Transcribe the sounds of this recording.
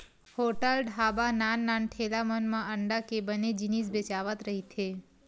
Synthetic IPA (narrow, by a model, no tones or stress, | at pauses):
hoʈəlɖɦabananːanʈʰelamənmãəɳɖakebəned͡ʒinisbet͡ʃaʋət̪ɾəɦit̪ʰe